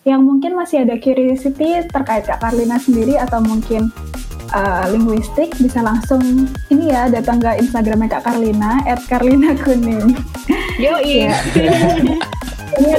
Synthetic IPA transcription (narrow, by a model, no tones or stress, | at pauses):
jaŋmuŋkɪnmasɪadakuɾisit̪it̪ərkaɪt̪̚kaʔkarlinasəndiɾiat̪awmuŋkɪn | ʔəliŋɡwist̪ɪk̚bisalaŋsʊŋinijadat̪aŋkainst̪aɡɾamjakakarlinaɛt̪̚karlinakʰunɪ | joia | ini